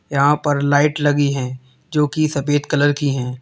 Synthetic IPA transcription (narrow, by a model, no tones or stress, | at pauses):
jɐɦãpɐɾlaːɪʈlɐɡiɦɛ̃ː | d͡ʒoːkisɐpeːt̪kɐləɾkiɦɛ̃ː